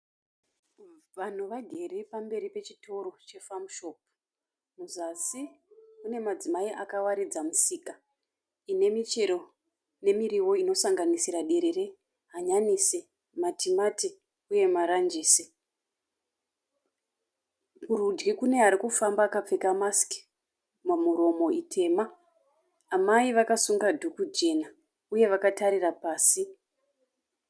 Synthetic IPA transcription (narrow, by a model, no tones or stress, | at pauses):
ʋan̤uʋaɡʱe̞repambe̞ɾipe̞t͡ʃitʰo̞ɾo̞t͡ʃe̞famʃo̞p̚ | muzasi | une̞mad͡zimaiʔakawaɾid͡zamusiːka | ine̞mit͡ʃe̞ɾo | ne̞miriwo̞ino̞saŋɡanisiɾaɗe̞ɾe̞re | ɦaɲanise | matimati | uje̞maɾand͡ʒeːse | kurud͡ʒɡikune̞ɦaɾikufambaːkap͡fekamaski̥ | mamuɾo̞mo̞itʰe̞ːmaː | maiʋakasuŋɡadʱukud͡ʒe̞na | uje̞ʋakataɾirapaːsi